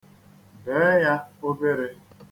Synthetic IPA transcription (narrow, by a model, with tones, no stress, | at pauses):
beː˨˦ja˦o˦be˦ɾe˦